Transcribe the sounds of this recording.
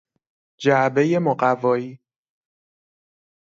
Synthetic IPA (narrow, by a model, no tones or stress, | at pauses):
d͡ʒæʔbe̞je̞moɢævɒːiː